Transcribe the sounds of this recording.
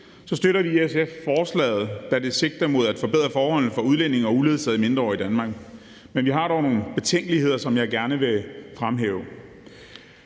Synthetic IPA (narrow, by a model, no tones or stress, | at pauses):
sɒ̽sd̥øɾɐʋiesefːɒːslɛ̰ːð̩ˠd̥æd̥e̝se̝ɡ̥̚d̥æmo̝ð̞ˠæd̥fɒ̽b̥eð̞̰ˠʁɐfɒːhɒ̽l̰n̩ˠfɒ̽uð̞ˠlen̰e̝ŋɒ̽uðle̝ðˠsɛð̩̰ˠime̝nd̥ʁɐɒ̰ːid̥ænmɑ̈ːɡ̥ | menʋiɦɑ̈ɾ̥ɒʊno̝ːn̩əb̥e̝t͡sʰeŋ̰ɡ̥əlihe̝ð̞̰ˠɐsɒ̽mjɑ̈ɪɡ̥æɐnəʋe̝fʁamɦɛ̰ːʊ